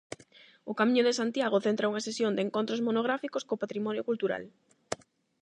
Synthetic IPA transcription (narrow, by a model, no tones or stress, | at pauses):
ʊkamĩɲʊðesant̪jaɣ̞oθent̪ɾauŋɐsesjond̪eŋkont̪ɾosmonoɣ̞ɾafikoskoːpat̪ɾimɔnjokult̪uɾa̰l